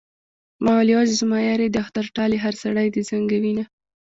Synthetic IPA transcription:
mɑwalijɑzzmɑjaɾed̪əaxt̪aɾʈɑleɦaɾsaɽajd̪əzaŋɡawina

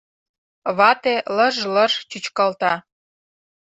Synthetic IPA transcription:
βɑt̪elə̆ʒlərt͡ɕut͡ɕkɑlt̪ɑ

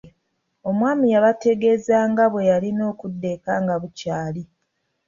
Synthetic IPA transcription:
o̞mwaːmijaβate̞ɡe̞zaːŋɡaβwe̞jalino̞ːkudːe̞kaːŋɡaβucaːli

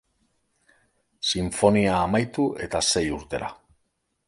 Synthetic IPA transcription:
siɱfo̞niaːmajt̪uʔe̞t̪ase̞juɾt̪e̞ɾa̰

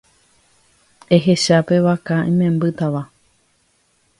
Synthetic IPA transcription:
e̞ɦe̞ʃape̞ʋakaʔĩmẽmbɨt̪aʋa

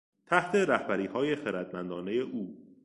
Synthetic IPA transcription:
t̪ʰæht̪ʰe̞ɾæhbæɾiːhɒːje̞xeɾæd̪mænd̪ɒːneje̞ʔuː

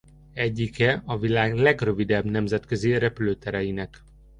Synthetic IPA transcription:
ɛɟːikɛɒvilaːɡlɛɡrø̞vid̪ɛbnɛmzɛt̪køziɾɛpyløːt̪ɛɾɛjinɛk

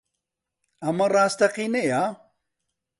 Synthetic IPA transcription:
ɐmɐraːst̪ɐqiːneja

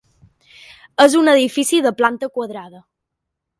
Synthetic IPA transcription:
əzunəðifisiðəplant̪əkwəðɾaðə

